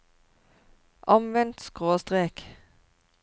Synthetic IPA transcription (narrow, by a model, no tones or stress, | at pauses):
ʔɑmʋɛnt̪skʁoːst̪ʁeːk